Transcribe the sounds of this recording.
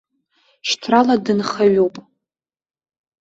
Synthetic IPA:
ʃtʰraladɨnχaɥowpʼ

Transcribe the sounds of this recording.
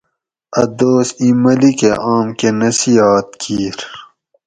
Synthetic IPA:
ɐd̪oːsimɐlikeʔaːmkenɐsijaːt̪̚kʰiːɾ

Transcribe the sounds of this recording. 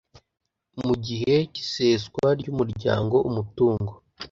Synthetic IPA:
muɟiɦe̞ci̥seːzɡwaɾɟuːmuɾɟa̰ːŋɡo̞ʔumutuːŋɡo̞

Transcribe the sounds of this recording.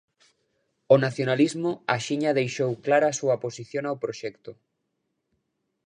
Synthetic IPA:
onaθjonalizmʊaʃiɲaðejʃowklaɾaːsuɐposiθjoŋawpɾoʃɛkt̪ʊ

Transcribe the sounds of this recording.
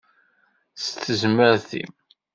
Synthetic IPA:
st̪əzməɾθḭm

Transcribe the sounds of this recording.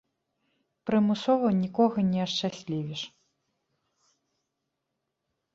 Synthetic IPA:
pɾɨmɨsɔvɐwnʲikɔɣɐnʲɛɐʂt͡ʂasʲlʲivʲiʂ

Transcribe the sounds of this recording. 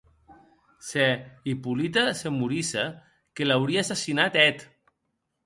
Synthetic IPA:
seipulit̪asemuɾisa | kelawɾiasasinat̪ɛt̪

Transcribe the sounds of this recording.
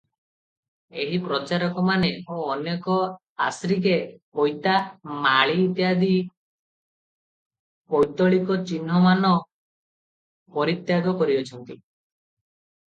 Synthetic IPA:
eɦipɾɔt͡ʃaɾɔkɔmaneoːnekɔ | a̰sɾikekɔjt̪amaɭiːt̪jad̪i | kɔjt̪ɔɭikɔt͡ʃinɦɔmanɔ | pɔɾit̪jaɡɔkɔɾiɔt͡ʃʰɔnt̪i

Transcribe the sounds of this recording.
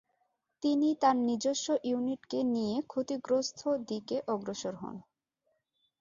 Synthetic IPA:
t̪init̪aɾnid͡ʑoʃːoʔjuniʈkenijekʰot̪iɡɾost̪ʰod̪ikeʔɔɡɾoʃoɾɦɔ̰n

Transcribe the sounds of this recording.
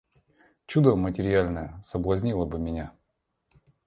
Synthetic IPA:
t͡ɕud̪əmətʲɪɾʲɪalʲnəjəsəblˠɐzʲnʲilˠəbɨmʲɪnʲa

